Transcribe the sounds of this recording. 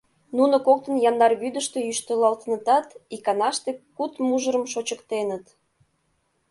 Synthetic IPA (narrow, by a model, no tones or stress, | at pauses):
nunokok̚t̪ənjɑnd̪ɑrβyd̪əʃt̪ejyʃt̪əlɑlt̪ənət̪ɑt̪ikɑnɑʃt̪ekut̪muʒəɾəmʃot͡ɕəkt̪enət̪